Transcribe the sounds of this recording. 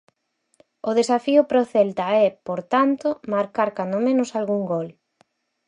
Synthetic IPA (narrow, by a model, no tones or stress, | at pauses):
ʊðesafiʊpɾoθɛlt̪aɛpoɾt̪ant̪omaɾkaɾkand̪omẽnʊsalɣuŋɡɔl